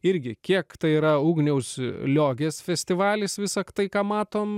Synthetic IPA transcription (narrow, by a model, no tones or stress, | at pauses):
ɪɾʲɡʲɪkʲiɛkt̪ɐɪiːɾɐuːɡnʲɛʊslʲoːɡʲeːsfʲɛsʲt̪ʲɪʋɑːlʲɪsʋʲɪsɐkt̪ɐɪkɑːmɑːt̪oːm